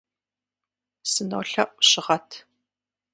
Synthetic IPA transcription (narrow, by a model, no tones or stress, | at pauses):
sɨno̰wɬɐʔʷʼɕɪʁɐtʰ